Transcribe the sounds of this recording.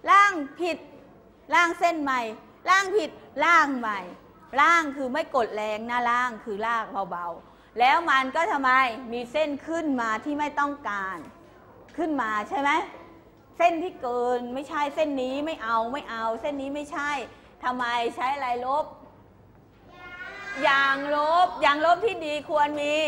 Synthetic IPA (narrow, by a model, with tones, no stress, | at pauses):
laː˥˩ŋpʰi˨˩t̪̚ | laː˥˩ŋse˥˩nma˧j | laː˥˩ŋpʰi˨˩t̪̚laː˥˩ŋma˨˩j | laː˥˩ŋkʰɯː˧ma˥˩jko˨˩t̪̚lɛː˧ŋnaː˥˩laː˥˩ŋkʰɯː˧laː˥˩k̚ba˧wba˧w | lɛː˦˥wma˧nkɔː˥˩t̪ʰa˧mːa˧jmiː˧se˥˩nkʰɯ˥˩nmaː˧t̪ʰiː˥˩ma˥˩jt̪ɔ˥˩ŋkaː˧n | kʰɯ˥˩nmaː˧t͡ɕʰa˥˩jma˦˥j | se˥˩nt̪ʰiː˥˩kɤː˧nma˥˩jt͡ɕʰa˥˩jse˥˩nːiː˦˥ma˥˩jʔa˧wma˥˩jʔa˧wse˥˩nːiː˦˥ma˥˩jt͡ɕʰa˥˩j | t̪ʰa˧mːa˧jt͡ɕʰa˦˥jʔa˧ɾa˧jlo˦˥p̚ | jaː˨˩ŋlo˦˥p̚jaː˨˩ŋlo˦˥p̚t̪ʰiː˥˩diː˧kʰu˧ənmiː˧